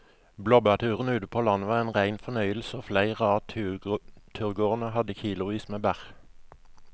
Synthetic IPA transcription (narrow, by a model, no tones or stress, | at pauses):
blɔbɑt̪ʰʉːʁən̩ʉːt̪əpʰoːlɑnəʋɑːʁeːnʁæɪnfɔnœʏəlsoːflæɪʁəɑː | t̪ʰʉʁɡoːʁn̩əhɑd̪əçiːlʊʋiːsmeːbæʁ